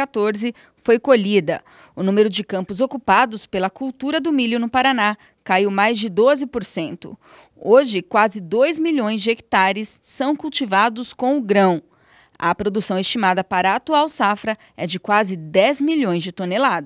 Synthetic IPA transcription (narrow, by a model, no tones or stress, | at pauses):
at̪oɾzɪ | fojkoʎid̪ɐ | ʊnũmeɾʊd͡ʒɪkɐ̃mpʊzokupad̪ʊspelɐkuwt̪uɾɐd̪ʊmiʎʊnʊpaɾana | kaiwmajzd͡ʒɪd̪ozɪpoɾsẽnt̪ʊ̰ | oʒɪkwazɪd̪ojzmiʎõj̃zd͡ʒɪeki̥t̪aɾɪsːɐ̃w̃kuwt͡ʃivad̪ʊskõw̃ʊɡɾɐ̃w̃ | ɐpɾod̪usɐ̃w̃est͡ʃimad̪ɐpaɾɐat̪uawsafɾɐ | ɛd͡ʒɪkwazɪd̪ɛzmiʎõj̃zd͡ʒɪt̪onelad̪